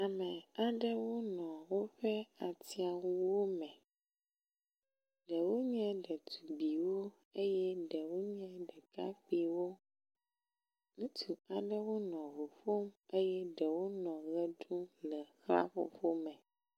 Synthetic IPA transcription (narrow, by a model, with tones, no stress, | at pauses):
a˨mɛ̃˨a˨ɖə˦wo˦nɔ̃˨wo˦ɸɛ˦a˨t̪i˦a˨wu˦wo˦mɛ̃˨ | ɖɛ˨wo˦ɲɛ̃˦ɖə˨t̪u˨bi˨wo˦ | e˦jɛ˦ɖɛ˨wo˦ɲɛ̃˦ɖɛ˨ka˦k͡pi˨wo˦ | ŋũ˦t̪ʰu˨a˨ɖə˦wo˦nɔ̃˨ɦo˨ɸo˦me˦jɛ˦ɖɛ˨wo˦nɔ̃˨ɣə˦ɖũ˦lɛ˨xla̰˦ɸo̰˨ɸo˦mɛ̃˨